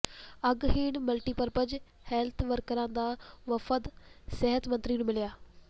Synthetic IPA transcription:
əɡɦeːɳməlʈiːpəɾpəd͡ʒ | hɛːlt̪ʰʋəɾkəɾãːd̪aːʋəfəd̪sɛɦət̪mə̃nt̪ɾiːnũːmɪljaː

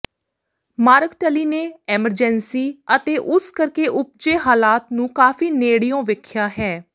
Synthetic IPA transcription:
maːɾəkʈəliːneːɛːməɾd͡ʒɛːnsiːət̪eːʔʊskəɾkeːʔʊp̚d͡ʒeːɦaːlaːt̪nũːkaːfiːneːɽijõːʋɪkʰjaːɦɛː

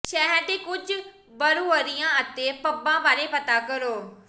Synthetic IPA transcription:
ʃɛɦəɾd̪eːkʊd͡ʒ | bəɾoːəɾɪjãːət̪eːpəbãːbaːɾeːpət̪aːkəɾoː

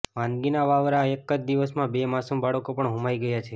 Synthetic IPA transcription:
ʋãnd̪ɡinaʋaʋɾaekːəd͡ʒd̪iʋəsmãbemasumbaɽəkopəɳɦũmajɡəjat͡ʃʰe

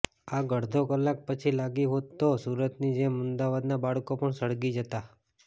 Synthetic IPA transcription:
aɡəɽd̪ʱokəlːak̚pət͡ʃʰilaɡiɦot̪ːosuɾət̪nid͡ʒemʊnd̪aʋad̪nabaɭkopəɳsəɽɡid͡ʒət̪a

